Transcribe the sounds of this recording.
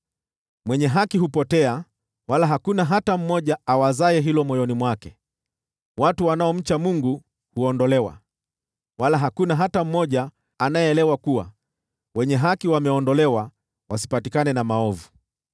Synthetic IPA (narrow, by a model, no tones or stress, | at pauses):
mwɛɲɛɦakiɦupɔtɛa | walaɦakunaɦatam̩mɔʄaawazaɛɦilɔmɔjɔnimwakɛ | watuwanaɔm̩t͡ʃamuŋɡu | huɔndɔlɛwa̰ | walaɦakunaɦatam̩mɔʄaː | naɛːlɛwakuwa̰ | wɛɲɛɦakiwamɛɔndɔlɛwa | wasi̥patikanɛnamaɔvu